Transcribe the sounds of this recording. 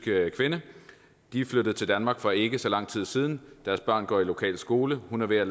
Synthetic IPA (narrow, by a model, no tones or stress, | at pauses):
ɡ̥əkʰʋenə | d̥ifløɾ̥əð̩ˠt͡sʰe̝ld̥ænmɑ̈ːɡ̥fɒ̽e̝ɡ̥əsɒ̽lɑ̈ŋ̰t͡sʰið̰ˠsiːð̞ˠn̩d̥æɐsb̥ɶ̰ɐ̰nɡ̥ɒ̰ːilo̝kʰɛ̰ːlsɡ̥o̝ːləhunæɐʋe̝ɐl